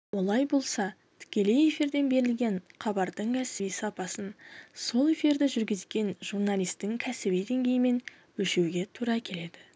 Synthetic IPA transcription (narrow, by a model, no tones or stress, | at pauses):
wo̞lˠɑjbo̞lˠsɑ | t̪ʰʏ̥kʲe̞le̞je̞fiɾd̪e̞nbe̞ɾɪlɡʲe̞ɴχʰɑbɑɾd̪əɴkʲʰæsɪbijsɑpɑsənso̞lˠe̞fiɾd̪ɪʒʏɾɡʲɪzɡʲe̞nʒ̥uɾnɑlijst̪ːɪŋkʲʰæsɪbijd̪e̞ŋɡʲe̞jɪme̞n | wɵʃe̞wɡʲe̞t̪ʰuɾɑkʲʰe̞le̞d̪ɪ